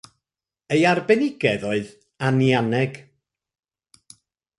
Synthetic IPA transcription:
ejarbɛnɪɡɛðɔɨð | anjanɛɡ̥

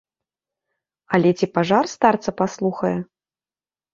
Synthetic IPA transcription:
ɐlʲɛt͡sʲipaʐarst̪art̪sɐpaslˠuxɐjɛ

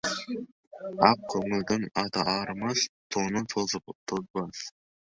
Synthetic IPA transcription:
ɑq̚kʲʰɵŋɪld̪ɪŋɑt̪ɑʔɑɾmɑst̪ʰonənʰt̪ʰozbɑs

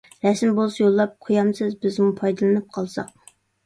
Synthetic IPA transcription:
ɾɛsmbolˠsɑjolˠːɑp̚qʰojɑmsɨzbɪzmupʰɑjd̪ɨlˠɨnɨp̚qʰɑlˠsɑ̰q̚

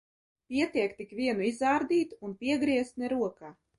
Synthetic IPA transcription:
pʲiɛt̪ʲiɛkt̪ikvʲiɛnuizaːɾd̪iːt̪unpʲiɛɡɾiɛst̪nɛɾuɔkaː

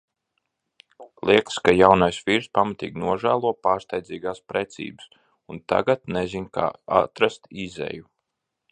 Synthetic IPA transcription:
lˠiɛkskajawnajsʋiɾspamat̪ḭːɡnuɔʒæːlˠuɔpaːɾst̪ajdziːɡaːspɾɛt̪sḭːbɨs | unt̪a̰ɡat̪nɛzinka̰ːa̰t̪ɾast̪izḛju

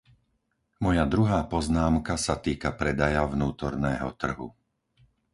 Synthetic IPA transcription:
mɔjad̪ɾuɦaːpɔznaːmkasat̪iːkapɾɛd̪ajavnuːt̪ɔɾnɛːɦɔ̰t̪r̩ɦṵ

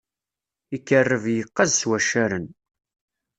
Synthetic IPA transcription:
ikːərːəvjəqːɑzswæʃaɾən

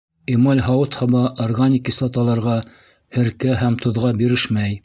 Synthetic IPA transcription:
imɑlʲɦɑwɤt̪hɑbɑʔorɡanʲikislˠɑt̪ɑlˠɑɾʁɑ | hɘ̆ɾkæɦæmt̪ʰŏðʁɑbiɾɘʃmæj

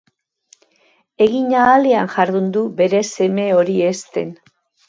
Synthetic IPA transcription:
e̞ɣiɲaːleanʝaɾðund̪ube̞ɾe̞se̞me̞o̞ɾie̞st̪e̞n

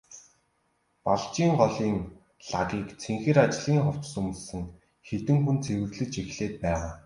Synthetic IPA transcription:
paɮt͡ɕiːŋɢɔɮiːŋ | ɮaɣiːkt͡sʰeŋxĕːɾat͡ɕɮʁiːŋχɔw̥t͡ɕsɵmɵ̆ɮsɘ̆ŋ | xet̪ɘ̆ŋxunt͡sʰewɘ̆ɣɮɘ̆t͡ɕexɮeːt̪̚pæːʁaː

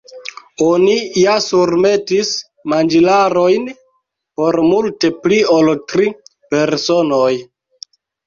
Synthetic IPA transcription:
onijasuɾme̞tis | mand͡ʒilaɾo̞jn | po̞ɾmulte̞plioltɾipe̞ɾso̞noj

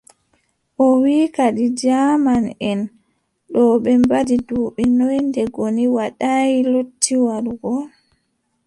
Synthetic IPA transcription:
ʔɔwiːkaɗid͡ʒaːmanɛn | ɗɔɓɛmbadiduːɓinɔjndɛɡoniwaɗajilutʰːiwaɾuɡɔ

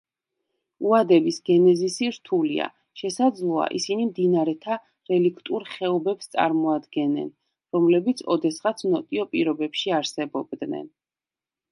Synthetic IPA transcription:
uad̪ɛbisɡɛnɛzisiɾt̪ʰulḭa̰ | ʃɛsad̪zlˠɔa̰ʔḭsinimd̪inaɾɛt̪ʰa | ɾɛlikʰt̪ʼuɾχɛɔbɛpst̪sʼa̰ɾmɔad̪ɡɛnːɛ̰n | ɾɔmlɛbit̪sʰɔ̰d̪ɛsχat̪sʰnɔt̪ʼiɔpʼiɾɔbɛpʃiaɾsɛbɔb̚d̪nɛ̰n

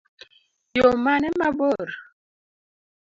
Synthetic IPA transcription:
jomanɛmabɔɾ

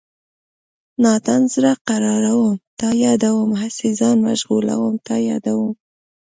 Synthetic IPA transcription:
nɑt̪anzɾaqaɾɑɾawəmt̪ɑjɑd̪awəmɦasezɑnma̰ʒɣula̰wəmt̪ɑjɑ̰d̪awəm

